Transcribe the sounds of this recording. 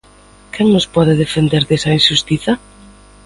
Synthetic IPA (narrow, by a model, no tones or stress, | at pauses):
kʰɛŋnʊspɔðɪðefend̪eɾðesɐinʃust̪iθɐ